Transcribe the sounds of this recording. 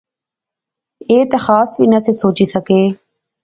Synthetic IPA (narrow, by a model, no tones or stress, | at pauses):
eːt̪ɐxaːsʋinɐsesoːt͡ʃisəkeː